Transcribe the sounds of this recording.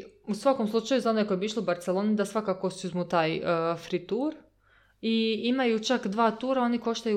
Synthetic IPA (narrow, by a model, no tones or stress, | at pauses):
usʋakomslˠut͡ʃajuzaonekojebiiʃloubaɾt̪selˠo̞ːnid̪asʋakakosuzmut̪aːjfɾit̪uːɾ | iimajut͡ʃakd̪ʋaːt̪uːɾao̞niko̞ʃt̪aju